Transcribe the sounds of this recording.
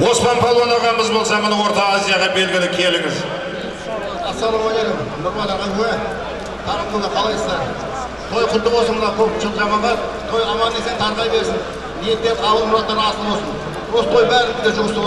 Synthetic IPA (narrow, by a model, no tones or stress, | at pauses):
wospɑnpʰolˠonɑʁɑnbɪzbo̞lˠsɑmənəwo̞ɾt̪ɑːzijɑʁɑbe̞lɡʲɪlɪkʲʰe̞lɪŋɪz | ɑsɑɾɑwojed̪ɪmnʊɾmɑd̪ɑʁɑjkue | t̪ʰɑɾəod̪ɑqʰɑlˠɑjsəzd̪ɑɾ | t̪ʰolɑjqʰʊld̪əqosənmənɑkʲʰɵpʃʰlt̪ɑmɑmʁɑnt̪ʰojɑmɑe̞se̞nt̪ʰɑɾʁɑjbe̞ɾsɪn | nijet̪ːe̞ɾqʰɑwəlˠmʊɾɑt̪ːɑɾɑsənˠbo̞lˠsən | ɾost̪ʰo̞jbæɾɪnɪzd̪eʒʊməst̪ɾʁ